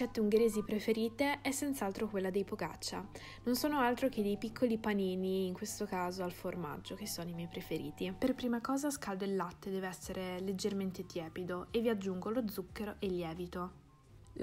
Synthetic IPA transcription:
t͡ʃɛt̪ːeuŋɡeɾeːzipɾefeɾiːt̪eɛsːɛnt̪saalt̪ɾokwelːad̪ejpoɡa̰t͡ʃːa̰ | nonsoːnoalt̪ɾok̟ed̪ejpikʰːolipaniːniːŋkwest̪okaːzoalforma̰d͡ʒːok̟esːoːnoimɛjpɾefeɾḭːt̪iperpɾiːmakɔːzaskald̪oelːat̪ːed̪ɛːveɛsːeɾʔeled͡ʒːerment̪et̪jɛːpid̪oevːiad͡ʒːuŋɡolod̪zːukːeɾoʔelːjɛːvit̪o

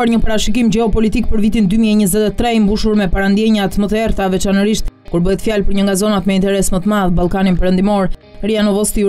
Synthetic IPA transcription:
aɾɲəpaɾaʃikimd͡ʑɛɔpɔlit̪ik̚pəɾvit̪ind̪ymiɛɲəzɛt̪ɛt̪ːɾɛimbuʃuɾmɛpaɾand̪jɛɲat̪mət̪əɛɾt̪avɛt͡ʃanəɾiʃt̪ | kuɾbəɦɛt̪fjalpəɾɲəŋɡazɔnat̪mɛint̪ɛɾɛsmət̪əmaðbalˠkaninpɛɾənd̪imɔɾɾianɔvɔst̪i

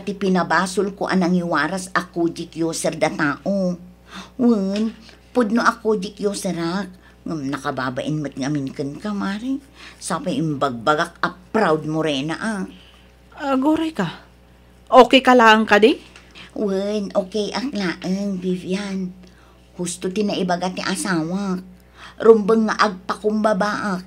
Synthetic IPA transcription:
pɐt̪ipɪnɐbaːsʊlkoʔɐ̰nɐŋiwaːɾasakod͡ʒɪkjoːsɛɾd̪ɐt̪aːʔo | wɨn | pʊd̪̚noʔɐkod͡ʒɪkjoːsɛɾak̚ | ŋamnɐkɐbaːba̰ʔɪnmɨt̪̚ŋɐmɪnkɨnkamaːɾi | sapajʔɪmbaɡ̚baɡak̚ɐpɾawd̪̚mʊɾɛnaʔa | aɡuɾajka | ʔoːkɛjkalaʔaŋkad̪iwənʔoːkejʔaklaːʔaŋvivjan | hust̪ʊt̪ɪnaʔɪbaɡat̪ɪʔasaːwa | ɾʊmbəŋːaʔaɡ̚pakʊmbabaʔak̚

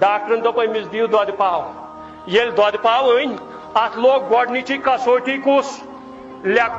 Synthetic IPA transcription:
ɖaːk̚ʈɾɐnd̪ɐpɐjmisd̪iːwd̪wad̪ipaːw | jelʲd̪wad̪ipaːʋɨnʲ | at̪ʰloːk̚ɡɔɖnit͡ʃikːasoːʈikus | lʲak

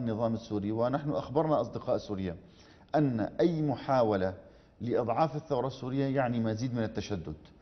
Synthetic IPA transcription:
nːɨðˤɑːmɪsːuːɾiwɪnaħnʊʔaxbɑɾˤnaʔɑsˤd̪ɪqɑːʔsuːɾɪjːa | ʔanːa̰ʔajːmʊħaːwala | lɪʔɨd̪ˤʕɑːfɪθːawɾˤɑsːuːɾɪjːajaʕnimaziːd̪mɪnɪt̪ːaʃad̪ːʊd̪

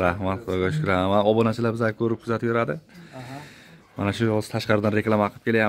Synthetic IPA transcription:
ɾahmat̪ɒɡaʃʊkʰʊɾamaɒbɒnat͡ʃʰɪlabɪzakʰɵɾɪp̚kʰʊzat̪ɪbjoɾad̪ɪ | ma̰naʃʊjɒz̥t̪ʰaʃqɑɾɪd̪anɾe̞klˠamaqʰɨp̚kʰʲe̞laja

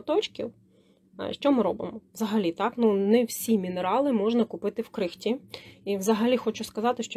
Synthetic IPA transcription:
t̪ɔt͡ʃkʲḭw | ʃt͡ʃɔmɪɾɔbɪmɔwzɐɦɐlʲit̪ɑknunɛwsʲimʲineɾɑlˠɪmɔʒnɐkʊpɪt̪ɪwkɾɪxtʲiiwzɐɦɐlʲixɔt͡ʃʊskɐzɑt̪ɪʃt͡ʃɔ

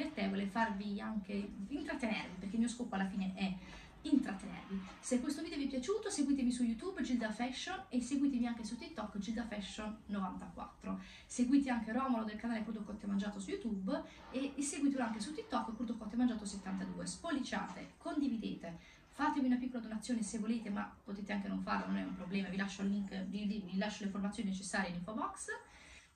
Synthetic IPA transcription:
et̪ːevolefarviaŋkeint̪ɾat̪ːenḛrvipeɾrk̟elmiːoskoːpːoalːafiːneʔɛ | int̪ɾat̪ːenḛrvi | sekːwest̪ovid̪eovipjat͡ʃuːt̪oseɡwiːt̪evisujut̪ubːd͡ʒild̪afɛʃːonesːeɡwiːt̪̬emiaŋk̟esut̪ːit̪ːɔkːd͡ʒild̪afɛʃːonːovant̪akwa̰t̪ːɾo | seɡwiːt̪̬eaŋk̟erɔːmalod̪elkanaːlekurd̪okɔt̪ːemand͡ʒaːt̪osujut̪ub | esːeɡwit̪eloaŋkesut̪ːit̪ːɔkːkurd̪okːɔt̪ːemand͡ʒaːt̪oset̪ːant̪ad̪uːespolit͡ʃa̰ːt̪ḛkond̪ivid̪eːt̪e | faːt̪emiunapikːolad̪onat̪sːjoːnesevːoleːt̪ema̰pːot̪eːt̪eaŋkenoɱfa̰rlanonɛumpɾoblɛːmavilaʃːolːiŋkvid̪ivilaʃːoleiformat̪ːjoːninet͡ʃesːaːɾjeiniɱfobɔks

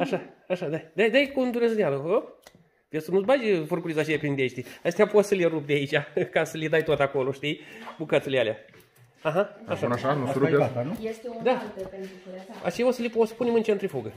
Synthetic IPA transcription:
aʃaaʃad̪ad̪ad̪ajkund̪uɾezɨnʲaləo | vesənuzbad͡ʒʲfurkuɾizat͡ʃejapind̪ʲeʃt̪ʲiast̪eapot̪səleɾup̚d̪eait͡ʃʲakasəlʲid̪ajt̪ot̪ako̞loʃt̪ijbukat̪sulealʲja | aɦaaʃanaʃanuɾuenujest̪eod̪at̪epent̪ɾua̰t͡ʃejosəliposə̥punemɨnt͡ʃent̪ɾifuɡə

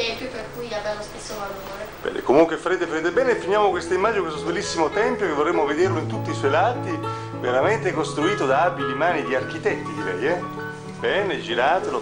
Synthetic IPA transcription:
ɛmpjoperkujad̪alost̪esːovaloːɾeb̥ɛ̰nḛkomuŋkwefaɾeːt̪efaɾeːt̪̬ebɛːnefːinjaːmokwest̪aimːad͡ʒinekwest̪obelːisːimot̪ɛmpjokevːorːemːoved̪erloint̪ut̪ːiswɔjlaːt̪i | veɾament̪ekost̪ɾuiːt̪od̪aabilimaːnid̪iark̟it̪ɛt̪ːid̪iɾɛjɛ | bɛːned͡ʒiɾaːt̪elo

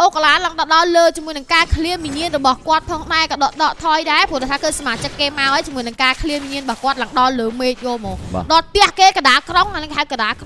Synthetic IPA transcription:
ʔoːkalaːlaŋt̪ɑɗɑlləːt͡ɕəmuəjnɨŋkaːkʰliənwiɲiənrɔɓɑhkŏət̪̚pʰɑːŋɗaɛkɑːɗɑʔɗɑːʔt̪ʰɑːjɗaɛpuəɗot̪ʰaːkəːsamaːt͡ɕəkːeːmaɔʔəjt͡ɕimuəjnɨŋkaːkʰliənwiɲiənɓɑːhkŏət̪̚laŋɗɑləːmeːt̪̚joːlmɔ̰ːɗɑt̪ɛ̆əhkeːkaɗaːlkroŋanəŋhʰaəkaɗaːlk

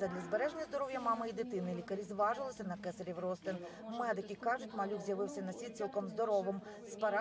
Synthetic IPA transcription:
ɛd̪lʲɐzbeɾɛʒnʲɐzd̪ɔɾɔwjɐmɑmɪid̪ɪt̪ɪnɪlʲikɐɾʲizʋɑʒɪlˠɪsʲɐnɐkɛsɐɾʲiwrɔst̪ɪn | mɛd̪ɪkʲikɑʒʊtʲmɐlʲuwzʲjɐʋɪwsʲɐnɐsʲit͡sʲilˠkɔmzd̪ɔɾɔʋɪm | spɐɾɑ

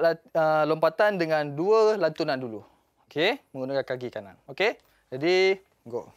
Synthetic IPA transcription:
laəlompat̪andəŋãnduəlant̪unandulu | okemə̃ŋɡunakankaɡikana̰noke | d͡ʒadi | ŋɡo̰ʔ

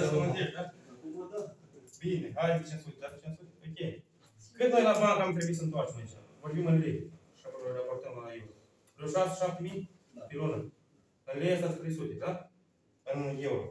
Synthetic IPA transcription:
omɨnt̪eʃd̪a | bineɦajit͡ʃensut̪ed̪aset͡ʃensut̪eokʲej | kɨt̪alabakamt̪ɾebuisəɨnt̪oart͡ʃemait͡ʃa̰vorbimɨnɾej | ʃaɾaport̪əmajewɾo | loʃase̥ʃap̚t̪emij | pilonə | ɨnɾʲejast̪ast̪ɾejsut̪ed̪a | ɨnjewɾo̰

